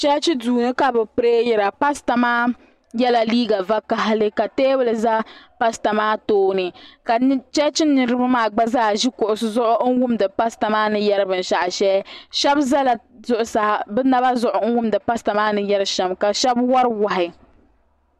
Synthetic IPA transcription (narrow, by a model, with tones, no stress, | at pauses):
t͡ʃɛ˦t͡ʃi˦duː˨nɨ˦ka˨bɨ˨pɨ˦ɾe˦jɛ˨ɾa˨pa˦sta˨maː˦ | jɛ˦la˨liː˦ɡa˨va˦ka˦ɦa˦lɨ˦ka˨teː˦bɨ˦lɨ˨za˦pa˦sta˨maː˦toː˦nɨ˨ka˨˦t͡ʃɛ˦t͡ʃɪ˦nː˦ɨ˨ɾɨ˦ba˦maː˦ɡ͡ba˦zaː˦˨ʒi˦kʊ˨ʔʊ˨sʊ˦zʊ˦ʔʊ˦wʊ˦mdɨ˨pa˦sta˨maː˦nɨ˨jɛ˦ɾɨ˦bɨ˨n̩˨ʃa˨ʔʃɛ˦ʃɛ˦bza˦la˨ | zʊ˨ʔʊ˨sa˨hbɛ˦na˦ba˦zʊ˨ʔʊ˨˦ŋ̩˦wʊ˦mdɨ˨pa˦sta˨maː˦nɨ˨jɛ˦ɾɨ˦ʃɛ˨mka˨ʃɛ˦bwa˦ɾwa˨ɦɪ˨